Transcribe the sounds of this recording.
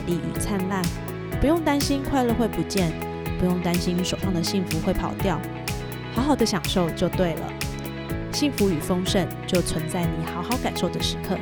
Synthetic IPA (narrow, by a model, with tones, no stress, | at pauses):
li˨˩ʔḭ˨˩t͡sʰa˥nla˥˩n | pu˧˥jʊ˥˩ŋt̪a˥nɕi˥nkʰwa˥˧ɪlə˥˧xwe˥˩ɪpu˧˥t͡ɕjɛ˥˩n | pu˧˥jʊ˥˩ŋt̪a˥nɕi˥nʂo˨˩fɑ˥˩ŋd̪ə˩ɕi˥˩ŋfu˧˥xwe˥˩ɪpʰɑ˨˩ʊt̪jɑ˥˩ʊ | xɑ˧˥ʊxɑ˨˩ʊd̪ə˦ɕjɑ˨˩ŋʂo˥˧ʊt͡ɕjo˥˧ʊt̪we˥˩ɪlə̰˩ | ɕi˥˩ŋfu˧˥y˨˩fo˥ŋʂə˥˧nt͡ɕjo˥˩ʊt͡sʰwə˧˥nt͡sa˥˩ɪni˨˩xɑ˧˥ʊxɑ˧˥ʊka˨˩nʂo˥˩ʊd̪ə˩ʂɻ̩˧˥˦kʰɤ̰˥˨